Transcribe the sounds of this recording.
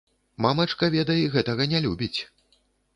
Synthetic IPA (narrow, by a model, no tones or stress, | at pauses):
mamɐt͡ʂkɐvʲɛd̪ɐjɛɣɛt̪ɐɣɐnʲɛlʲubʲit͡sʲ